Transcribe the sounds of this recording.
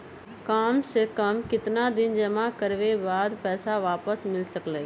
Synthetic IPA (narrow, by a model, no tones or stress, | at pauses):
kaːmsekəmkɪt̪nad̪ɪnd͡ʒəmãkəɾʋebaːd̪pɛːsaʋaːpəsmɪlsəkleː